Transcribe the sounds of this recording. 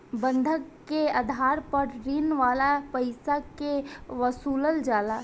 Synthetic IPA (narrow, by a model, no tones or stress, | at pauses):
bə̃nd̪ʱəkːeəd̪ʱaːɾpəɾɾinʋaːlapəɪsakeʋəsuːləld͡ʒaːla